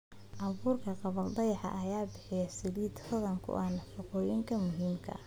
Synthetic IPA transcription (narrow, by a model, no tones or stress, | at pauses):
ʔɑβuːrkʰɐqɑβɐld̪ɑjħɑ̰ʔɐjaːbɪħɪjɐsɪliːd̪hɐðɐŋkʰʊ̰ʔɐnɐʃɪqɔːjɪŋkʰɐmʊɦiːmkʰɐ̰